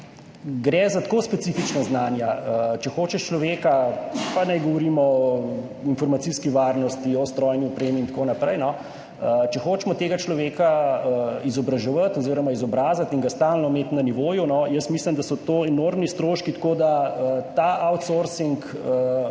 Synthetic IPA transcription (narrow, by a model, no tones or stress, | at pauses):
ɡɾɛzat̪koːspɛsifit͡ʃnaznaːnjaət͡ʃɛxoːt͡ʃɛʃt͡ʃlɔʋeːkapanajɡɔʋɔɾiːmɔɔinfɔɾmat̪siskiʋaːɾnɔst̪iɔst̪ɾɔjniɔpɾeːmiːnt̪koːnapɾɛjnɔ | ət͡ʃɛxoːt͡ʃmɔt̪eːɡat͡ʃlɔʋeːkaəizɔbɾɐʒɛʋat̪ɔziːɾɔmaizɔbɾaːzat̪iŋɡast̪aːlnɔmeːt̪naniʋoːjunɔjəsmislimd̪asɔt̪oːɛnoːɾmnist̪ɾoːʃkit̪koːd̪aət̪aːʔawt̪soɾsiŋkə